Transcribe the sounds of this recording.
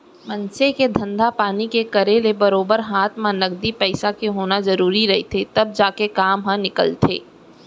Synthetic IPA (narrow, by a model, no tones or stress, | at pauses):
mɐ̃nseked̪ʱɐ̃nd̪ʱapaːnikekɐɾeːlebɐɾoːbəɾɦaːt̪ʰmãnɐɡd̪ipɛɪsakeɦoːnazɐɾuːɾiɾɐɦet̪ʰet̪ɐb̚d͡ʒaːkekaːmɦãnɪkə̰lt̪ʰḛː